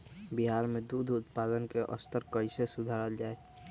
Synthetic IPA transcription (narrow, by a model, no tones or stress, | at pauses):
biɦaːɾmẽd̪uːd̪ʱʊt̪pad̪ənkeʔə̰st̪əɾkəɪsesʊd̪ʱaɾəld͡ʒaːe